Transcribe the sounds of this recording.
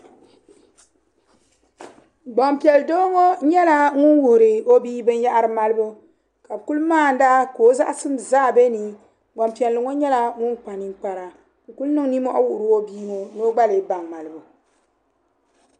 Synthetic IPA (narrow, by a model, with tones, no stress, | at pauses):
ɡ͡ba˨mpi˨ɛ˨ldo˦ŋo˦ɲɛ˦la˦ŋu˦nwu˨hʊ˨ɾɨ˨o˦biː˦bɨ˦nja˦ʔa˦ɾɨ˨ma˦lɨ˦bu˦ | ka˨bɨ˨ku˦lmaː˦˨n̩˨˦da˦ko˨˦za˦ʔsɨ˦mzaː˦˨be˦ni˨ | ɡ͡ba˨mpi˨ɛ˨lːɨ˨ŋo˦ɲɛ˦la˦ŋu˦nk͡pa˨ni˦k͡pa˨ɾa˨ | ku˦lnɨ˦ŋ˦ni˦mɔ˦ʔa˦wu˦˨ʔʊ˨ɾɨ˦o˦biː˦ŋo˨no˦ɡ͡ba˦lɨ˨ba˨ŋma˨lɨ˨bu˨